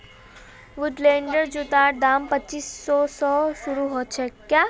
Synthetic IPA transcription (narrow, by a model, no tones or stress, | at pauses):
ʋʊɖlẽːɳɖəɾd͡ʒut̪aːɾd̪aːmpətːt͡ʃiːsːɔːsɔːsʊɾuɦoːt͡ʃʰɛkjaː